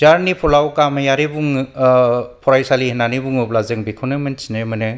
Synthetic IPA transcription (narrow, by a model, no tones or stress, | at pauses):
zaɾnipʰɔlawkamajaɾebuŋ | pʰɔɾajsalihinanibuŋɯplazɯŋbikʰɔnɯmɯnsinɯmɯnɯ